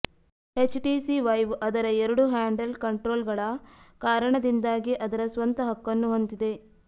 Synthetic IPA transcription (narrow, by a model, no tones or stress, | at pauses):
het͡ʃʈisiʋɐjʋʔɐd̪ɐɾɐeɾɐɽuɦaːɳɖɐlkɐɳʈɾoːlɡɐɭɐkaːɾɐɳɐd̪ind̪aːɡiʔɐd̪ɐɾɐsʋɐnt̪ɐɦɐkːɐnːuɦont̪id̪e̞